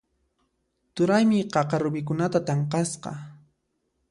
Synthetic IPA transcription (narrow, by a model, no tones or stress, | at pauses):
t̪ʊɾajmɪqɑqɑɾʊbɪk̬ʊnat̪at̪ɑɴqɑsqɑ̰